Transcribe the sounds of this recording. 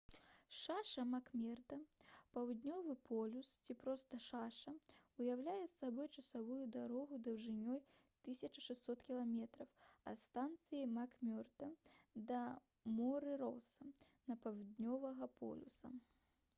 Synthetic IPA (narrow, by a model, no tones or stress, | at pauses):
ʂaʂɐmakmʲɛrd̪ɐpɐwd̪ʲnʲɔvɨpʰɔlʲust͡sʲipɾɔst̪ɐʂaʂɐujawlʲajɛsːabɔjt͡ʂɐsavujud̪aɾɔɣud̪ɐwʐɨnʲɔj | t̪ɨsʲɐt͡ʂɐʂɛsʲt̪ʲsɔt̪kʲilˠamʲɛt̪ɾɐwɐ̰st̪ant̪sɨjimakmʲɔrt̪ɐd̪ɐ | mɔɾɨɾɔwsɐ | nɐpɐwd̪ʲnʲɔvɐɣɐpʰɔ̰lʲṵsɐ̰